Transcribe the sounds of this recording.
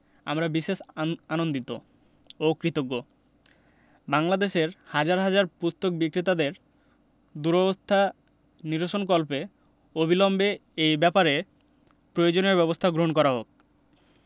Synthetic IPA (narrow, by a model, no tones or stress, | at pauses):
a̰mɾabiʃeʃanond̪it̪o | okɾit̪oɡːo | baŋlad̪eʃeɾhad͡ʑaɾɦad͡ʑaɾpust̪ok̚bikɾit̪ad̪eɾ | d̪uɾɔbost̪ʰa | niɾoʃonk̬ɔlpe | obʱilɔmbeejbɛpaɾe | pɾojod͡ʑoneɾbɛbost̪ʰaɡɾoɦonk̬ɔɾaɦok̚